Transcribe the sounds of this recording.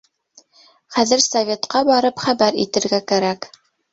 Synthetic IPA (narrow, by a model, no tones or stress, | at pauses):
χæðɘɾsɐvʲe̞t̪qɑbɑɾɤpχæbæɾḭt̪ɘ̆ɾɡækæɾæk